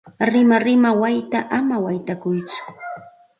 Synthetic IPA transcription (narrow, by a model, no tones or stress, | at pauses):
ɾɪmaɾɪmawajt̪aʔamawajt̪akʊjt͡sʊ̥